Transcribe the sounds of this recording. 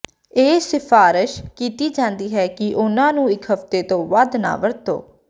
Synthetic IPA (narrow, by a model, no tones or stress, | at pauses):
eːsɪpʰaːɾɪʃkiːt̪iːd͡ʒãːnd̪iːɦɛːkɪʔʊnãːnũːɪkɦəft̪eːt̪õːʋad̪na̰ːʋəɾt̪o̰ː